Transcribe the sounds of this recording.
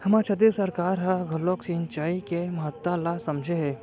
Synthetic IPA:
hɐmaːt͡ʃʰɐt̪isɐɾkaːɾɦaɡʱɔloːksint͡ʃaːikemɐɦət̪ːalasɐmd͡ʒʱeɦɛː

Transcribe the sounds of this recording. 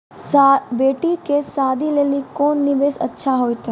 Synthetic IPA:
sabeːʈikesaːd̪ʱileːlikoːnːɪʋeːsɐ̰tːʃʰaɦoːit̪

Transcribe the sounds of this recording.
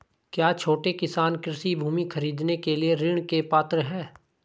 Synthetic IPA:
kjaːt͡ʃʰoːʈekɪsaːnkɪɾɪsibʱuːmixʰɐɾiːd̪nekelieɾɪɽ̃kepaːt̪ɾəɦɛː

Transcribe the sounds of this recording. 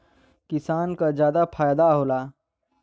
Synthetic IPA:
kisaːnkad͡ʒjaːd̪apʰaːjd̪aɦoːla

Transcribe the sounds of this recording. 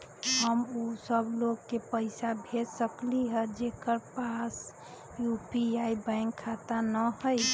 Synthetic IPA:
ɦəmusəbloɡkepəɪsabʱesəkliɦəd͡ʒekəɾpas | jupiaibaɪŋkʰːat̪anəhəj

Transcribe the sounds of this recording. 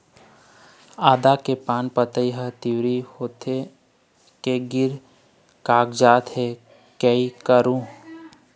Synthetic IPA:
aːd̪akepaːnpət̪əiɦət̪ɪwɾihoːt̪ʰe | keɡɪɾ | kaːɡd͡ʒaːt̪ɦe | kəikəɾũː

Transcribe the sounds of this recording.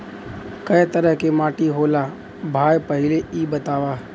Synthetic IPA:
kɐjt̪əɾəɦkemaːʈiɦoːla | bʱaːjpəɦɪleiːbət̪aːʋaː

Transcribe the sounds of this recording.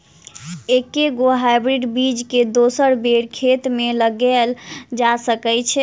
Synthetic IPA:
ekːeɡoɦajbɾiɖbid͡ʒked̪osəɾbeɽkʰet̪meləɡɛld͡ʒasəkɛt͡ʃʰɛ

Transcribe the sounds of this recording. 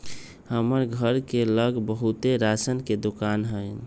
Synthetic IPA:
həməɾɡʱəɾkeləɡbəɦut̪eɾasənked̪okanɦəɪ

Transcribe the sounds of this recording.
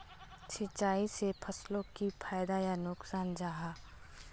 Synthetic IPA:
sʰɪt͡ʃːaːisepʰɐslõkipʰaːɪd̪ajanʊksaːnd͡ʒaːɦaː

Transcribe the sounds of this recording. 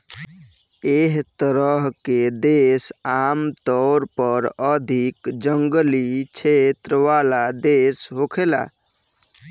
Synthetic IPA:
eɦt̪əɾəɦked̪esamt̪ɔɾpəɾəd̪ʱikd͡ʒəŋɡlit͡ʃʰet̪ɾəʋalad̪esɦokʰela̰

